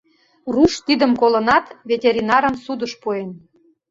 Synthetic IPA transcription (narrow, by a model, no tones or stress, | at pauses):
ruʃt̪id̪ə̆mkolə̆nɑt̪vʲetʲeɾʲinɑɾə̆msud̪əʃpuen